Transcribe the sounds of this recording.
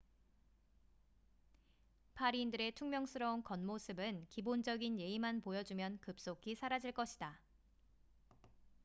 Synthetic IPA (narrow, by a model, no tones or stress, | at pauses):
pʰaɾiːndɯɾe̞tʰuŋmjʌŋsʰɯɾʌunkʌnmosʰɯbɯnkibond͡ʑʌɡinje̞imanpojʌd͡ʑumjʌnkɯp̚s͈okʰisʰaɾad͡ʑiɭk͈ʌɕʰida